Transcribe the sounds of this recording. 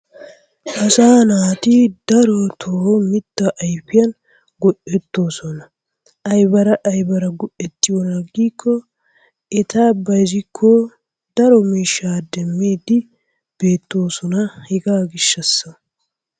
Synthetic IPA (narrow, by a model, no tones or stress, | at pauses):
ʔɐsaːnaːt̪ɪd̪̥ɐɾɔt̪ʰoːmɪt̪ːɐʔɐjpːɪjɐn | ɡɔʔɛt̪ːo̞ːsɔnɐ | ɐjbɐɾɐʔɐjbɐɾɐɡʊʔɛt̪ːɪjɔnɐɡːiːkʰːɔ | ɛt̪aːbɐjzɪkʰːo | d̪ɐɾɔmiːʃːaːd̪ɛmːeːd̪ɪ | b̥e̞ːt̪ːo̞ːsɔnɐhɪɡaːɡɪʃːɐsːɐ